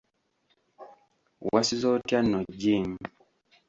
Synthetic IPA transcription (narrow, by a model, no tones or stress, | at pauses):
wasizɔtjanɔd͡ʒim